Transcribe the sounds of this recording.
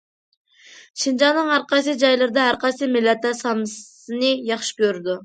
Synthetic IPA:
ʃind͡ʒɑnɨŋɑɾqɑs̬ɨd͡ʒɑjlˠɨɾd̪ɑæɾqɑsɨmɪlæt̪ɑsɑms | ɨnɨjɑχʃɪ̥kʲʰøɾd̪ɪ

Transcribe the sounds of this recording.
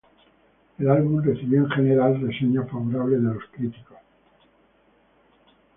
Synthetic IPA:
elalβunrreθiβjo̞eŋxe̞neɾalreseɲofaβoɾaβleðelo̞skɾit̪ikos

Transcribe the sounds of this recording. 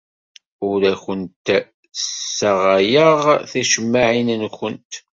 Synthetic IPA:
ʊɾæçənt̪ | sːaʁajəʁθæʃəmːaʕinənçənt̪

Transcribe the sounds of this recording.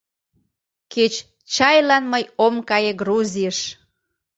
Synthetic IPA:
ket͡ɕ | t͡ɕɑjlɑnməjomkɑjeɡruzʲijəʃ

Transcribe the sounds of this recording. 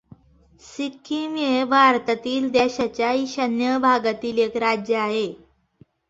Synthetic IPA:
sikʰːimjebʱaɾt̪ət̪iːld̪eɕat͡ɕjaiɕənjəbʱaɡat̪iːlekɾad͡ʑjəaɦe

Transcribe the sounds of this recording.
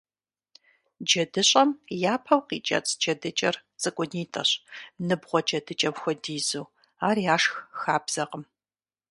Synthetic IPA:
d͡ʒɐdɨɕʼɐmjaːpʰɐwqḭːt͡ʃʼɐ̰t͡sʼd͡ʒɐdɨt͡ʃʼɐrt͡sʼɨkʷʼʊniːtʼɐɕnɨbʁʷɔd͡ʒʼɐdɨt͡ʃʼɐpxʷɔdiːzuː | aːriaːʂxxaːbz̥ɐqəm

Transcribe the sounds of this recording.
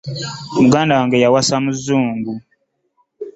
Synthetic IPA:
muɡaːndawaŋɡejawasamuzːuːŋɡu

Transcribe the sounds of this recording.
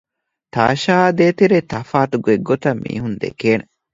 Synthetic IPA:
t̪a̰ːʃaːd̪eːt̪iɾet̪ɐfaːt̪uɡueɡːot̪ɐmːḭːɦund̪ḛkeːne

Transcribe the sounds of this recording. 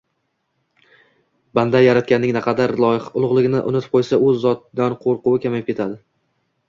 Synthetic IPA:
band̪ajaɾat̪̚kʲanːɪŋnɪqʰɑd̪aɾlˠɒjɪχʊlˠʊʁlˠɪɡʲɪnɪʔʊ̰nɪt̪ʰɪ̥p̚qʰojsaɵzːɒt̪̚d̪anqʰoɾqʊwɪkʲamajapkʲe̞t̪ʰad̪ɪ

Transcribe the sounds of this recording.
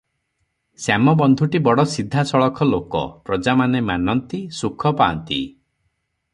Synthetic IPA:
samɔbɔnd̪ʱuʈibɔɽɔsid̪ʱːasɔɭɔkʰɔlokɔ̰pɾɔd͡ʒamanemanɔnt̪isukʰɔpaɔ̰nt̪ḭ

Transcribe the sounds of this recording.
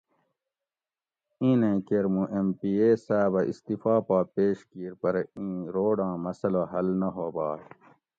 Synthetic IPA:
ĩːnẽːkeɾmũʔempiːeːsaːbɐḭst̪ifaːpaːpeːɕkiːɾpɐɾĩːɾoːɖãːmɐsɐlaɦɐlnɐɦoːbaː

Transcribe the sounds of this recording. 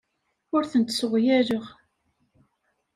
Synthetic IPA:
ʊɾθənt̪sʊʁjæɾəʁ

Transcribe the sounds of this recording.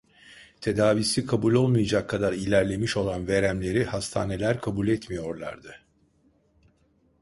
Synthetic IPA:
t̪ʰe̞d̪aːvisikʰabulʲo̞lˠmujad͡ʒakʰːad̪aɾilʲæɾlʲe̞miʃo̞lˠanve̞ɾæmlʲe̞ɾihast̪ʰa̰ːne̞lʲæɾkʰabulʲɛt̪mijo̞ɾlˠa̰ɾd̪ɯ

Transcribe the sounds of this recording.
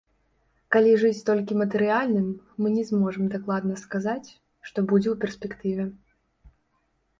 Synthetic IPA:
kalʲiʐɨt͡sʲt̪ɔlʲkʲimɐt̪ɨɾɨalʲnɨmːɨnʲɛzmɔʐɨmd̪aklˠad̪nɐskazat͡sʲ | ʂt̪ɔbud͡zʲɛwpʲɛrsʲpʲɛkt̪ɨvʲɛ

